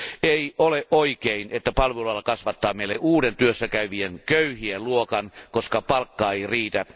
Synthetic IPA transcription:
eiʔoleʔʔoikeinet̪ːæpɑlʋeluɑlːɑkɑsʋɑt̪ːɑːmeilːeʔuːdent̪yøsːækæyʋienkøyhieluokɑnkoskɑpɑlkːɑːeiriːt̪æ

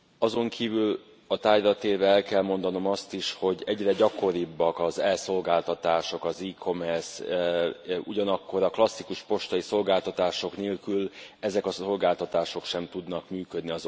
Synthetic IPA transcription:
ɒzo̞ŋkʰiːvyl | ɒt̪aːjrɒt̪eːvɛɛlkɛlmo̞n̪d̪ɒno̞mɒst̪iʃho̞ɟɛɟrɛɟɒko̞ɾibːɒkɒzɛlso̞lɡaːlt̪ɒt̪aːʃo̞kɒziːkʰo̞mɛrs | uɟɒnɒkːo̞ɾɒklɒsːikuʃpo̞ʃt̪ɒiso̞lɡaːlt̪ɒt̪aːʃo̞kneːlkylɛzɛkɒso̞lɡaːlt̪ɒt̪aːʃo̞kʃɛmt̪ud̪nɒkmyːkød̪niɒz

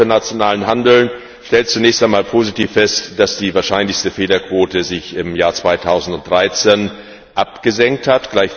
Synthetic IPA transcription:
ɐnat͡sjonaːlənɦandl̩n | ʃtɛltt͡sunɛːçstaɪnmaːlpʰoːzitʰiːfːɛstd̥asd̥iːvaːɐʃaɪnlɪçstəfeːlɐkv̥oːtəzɪçɪmjaːɐt͡sv̥aɪtʰaʊzn̩tʊntd̥ʁaɪt͡sen | ʔapɡ̥əzɛŋk̚thatɡ̥laɪç

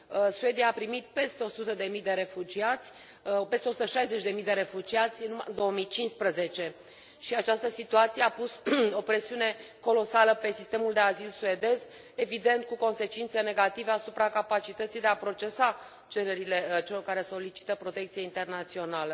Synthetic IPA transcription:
sue̞d̪ijaːpɾimit̪̚pe̞st̪e̞o̞sut̪əd̪e̞mijd̪e̞ɾe̞fud͡ʒiat̪sʲ | pe̞st̪eosut̪əʃajzet͡ʃʲd̪e̞mijd̪e̞ɾe̞fud͡ʒiat̪sʲɨnund̪o̞əmijt͡ʃinspɾəze̞t͡ʃe̞ | ʃiat͡ʃast̪əsit̪uat̪sije̞apuso̞pɾe̞siune̞ko̞lo̞saləpe̞sist̪e̞muld̪e̞azilsue̞d̪e̞z | e̞vid̪e̞nt̪̚kuko̞nse̞t͡ʃint̪se̞ne̞ɡat̪ive̞asupɾakapat͡ʃit̪ət̪sijd̪e̞apɾo̞t͡ʃe̞sa | t͡ʃe̞ɾe̞ɾile̞t͡ʃe̞lo̞rkaɾe̞so̞lit͡ʃi̥t̪əpɾo̞t̪e̞k̚t̪sijeint̪e̞rnat̪sio̞nalə

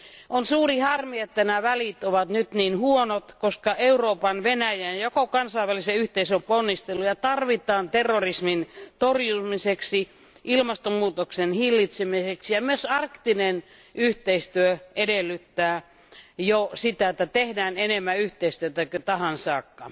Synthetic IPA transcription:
ʔonsuːrihɑrmiet̪ːænæʋælit̪oʋɑt̪nyt̪ninhuonot̪koskɑʔeuroːpɑnʋenæjænjokokɑnsɑiʋæliseyht̪eisomponːist̪elːujɑt̪ɑrʋit̪ɑːnt̪erːorismint̪orjumiseksi | ʔilmɑst̪omuːt̪oksenhilːit̪semiseksijɑmyøsɑrkt̪inen | yht̪eist̪yøʔedelːyt̪ːæː | josit̪æet̪ːæt̪ehdæːnenemːæyht̪eist̪yøt̪æikːøt̪ɑhɑnsɑːkːɑ

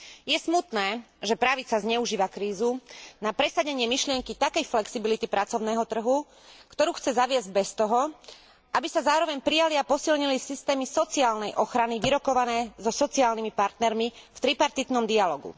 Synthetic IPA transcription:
jɛsmut̪nɛːʒɛpɾaʋit͡sazɲɛuʒiːʋakɾiːzunapɾɛsaɟɛɲɪɛmiʃlɪɛŋkit̪akɛjflɛksibilit̪ipɾat͡sɔʊnɛːɦɔt̪r̩ɦu | kt̪ɔɾuːxt͡sɛzaʋɪɛzɟ̚bɛst̪ɔɦɔ | abisazaːɾɔʋɛɲpɾijaliapɔsilɲilisist̪ɛːmisɔt͡siaːlnɛjʔɔxɾaniʋiɾɔkɔʋanɛːzɔsɔt͡siaːlnimipaɾt̪nɛɾmift̪ɾipaɾt̪it̪nɔmd̪ialɔɡṵ

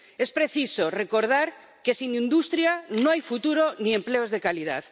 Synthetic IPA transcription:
espɾeθisorekoɾð̞aɾ | kesinind̪ust̪ɾjanõŋajfut̪uɾoniempleozðekalið̞a̰ð

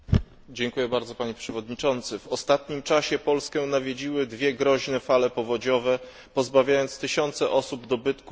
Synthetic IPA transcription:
d͡ʑɛŋkujɛbaɾd̪zɔpaɲɛpʂɛvɔd̪ɲit͡ʂɔnt̪sɘvɔst̪at̪̚ɲimt͡ʂaɕɛpɔlskɛnavʲjed͡ʑiwɘd̪vʲjɛɡɾɔʑnɛfalɛpɔvɔd͡ʑɔvɛ | pɔzbavʲjajɔnt̪st̪ɘɕɔnt̪sɛʔɔsubd̪ɔbɘt̪ku

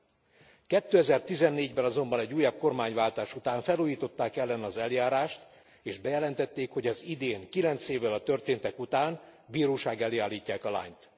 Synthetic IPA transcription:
kɛt̪ːøːɛzɛrt̪izɛnːeːɟbɛnɒzo̞mbɒnɛɟːuːjɒb̚ko̞rmaːɲvaːlt̪aːʃut̪aːɱfɛluːjiːt̪o̞t̪ːaːkɛlːɛnɒzɛljaːɾaːʃt̪ | eːʒbɛjɛlɛnt̪ɛt̪ːeːkho̞ɟɒzid̪eːŋkilɛnt̪seːvɛlɒt̪ø̞rt̪eːnt̪ɛkut̪aːnbiːɾoːʃaːɡɛleːaːlːiːcːaːkɒla̰ːɲt̪

